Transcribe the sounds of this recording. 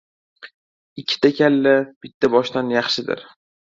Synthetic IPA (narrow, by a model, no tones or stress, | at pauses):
ɪkʲʰːɪ̥t̪ʰakʲʰalːab̥ɪt̪ʰːabɒʃt̪anjɑχʃɪd̪ɪ̰ɾ